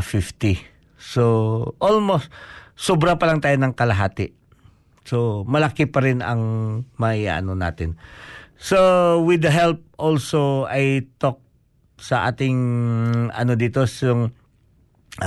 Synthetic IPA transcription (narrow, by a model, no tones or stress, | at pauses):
fɪft̪i | soʔolmost̪sobɾapɐlaŋt̪aːjonɐŋkɐlɐɦaːt̪ɪ | somɐlakipɐɾɪnɐ̰ŋmɐɪa̰ʔa̰nona̰ːt̪ɪnsowɪd̪ɐɦɛlp̚ʔolsoajt̪ok̚ | sɐʔa̰ːt̪ɪŋ | ɐ̰nod̪it̪osjoŋ